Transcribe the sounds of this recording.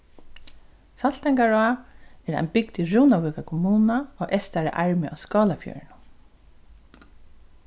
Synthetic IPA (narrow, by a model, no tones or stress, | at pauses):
salt̪ɛŋkaɹɔaːɛɾa̰ɪjnbɪkt̪ɪɹuːnavʏːkakʰɔmuːnaɔːʔɛst̪aɾɪ̰ʔaɹmɪʔa̰skɔːlafjœ̰ːɹɪnʊm